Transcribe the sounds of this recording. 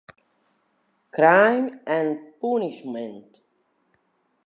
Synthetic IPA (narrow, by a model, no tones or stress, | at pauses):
kɾajmɛ̃npunɪʃmɛ̃nt